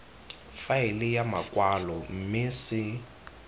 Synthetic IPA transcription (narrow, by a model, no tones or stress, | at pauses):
faɪlɪjamakʼwalɔm̩mɪsɪ